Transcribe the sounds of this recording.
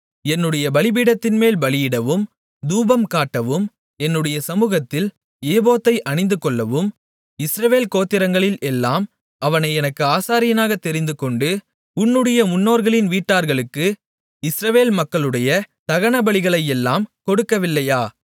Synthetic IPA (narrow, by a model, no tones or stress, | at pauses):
ɛnːɯɽɐjɐbɐɭɪbiːɽɐt̪ːɪnmeːlbɐɭɪjɪɽɐʋɯm | d̪uːbɐmkaːʈːɐʋɯm | ɛnːɯɽɐjɐsɐmuːɣɐt̪ːɪl | eːboːt̪ːɐɪʔɐɳɪnd̪ɯkɔɭːɐʋɯm | ɪsɾɐʋeːlkoːt̪ːɪɾɐŋɡɐɭɪlʔɛlːaːm | ʔɐʋɐnɐɪɛnɐkːɯaːsaːɾɪjɐnaːɣɐt̪ːɛɾɪnd̪ɯkɔɳɖɯ | ʊnːɯɽɐjɐmʊnːoːɾɣɐɭɪnʋiːʈːaːɾɣɐɭɯkːɯ | ɪsɾɐʋeːlmɐkːɐɭɯɽɐjɐt̪ɐɣɐɳɐbɐɭɪɣɐɭɐjɛlːaːmkɔɽɯkːɐʋɪlːɐjaː